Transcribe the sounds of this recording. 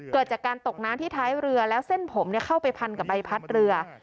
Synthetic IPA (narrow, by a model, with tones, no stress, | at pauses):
kɤː˨˩t̪̚t͡ɕaː˨˩kːaː˧nt̪o˨˩k̚naː˦˥mt̪ʰiː˥˩t̪ʰaː˦˥jɾɯ˧ɐlɛː˦˥wse˥˩npʰo˩˦mni˥˩ɐkʰa˥˩wpa˧jpʰa˧nka˨˩p̚ba˧jpʰa˦˥t̪̚ɾɯ˧ɐ